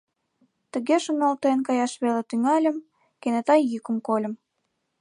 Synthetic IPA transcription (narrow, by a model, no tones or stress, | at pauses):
t̪ə̆ɣeʃənolt̪enkɑjɑʃβelet̪yŋɑlʲə̆m | kenet̪ɑjykə̆mkolʲə̆m